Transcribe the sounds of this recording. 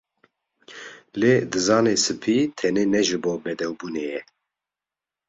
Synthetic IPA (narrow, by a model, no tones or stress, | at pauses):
leːd̪ɨzɑːnesɨpʰiːt̪ʰɛneːnɛʒɨboːbɛd̪ɛwbuːnejɛ